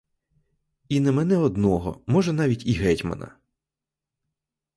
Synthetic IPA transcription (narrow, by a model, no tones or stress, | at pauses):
inɛmɛnɛɔd̪nɔɦɔ̰mɔʒɛn̪ɑʋʲitʲiɦɛtʲmɐ̰nɐ̰